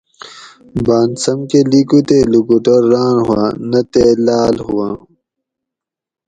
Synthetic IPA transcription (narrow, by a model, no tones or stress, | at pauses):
baːnsɐmkelikut̪elukuʈɐɾːaːɳɦuã̰ːnɐt̪eːlaːlhuwãː